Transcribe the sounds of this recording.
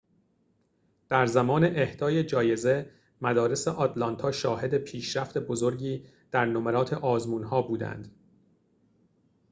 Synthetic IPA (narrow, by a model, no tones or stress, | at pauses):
d̪̥æɾzæmɒːneʔehd̪̥ɒːje̞d͡ʒɒːje̞ze̞ | mæd̪ɒːɾe̞seʔɒt̪ʰlɒnt̪ʰɒːʃɒːhe̞d̪e̞pʰiːʃɾæft̪e̞bo̞zo̞ɾɟiː | d̪̥æɾnomeɾɒːt̪ʰeʔɒːzmuːnhɒːbuːd̪æ̰nd̪̥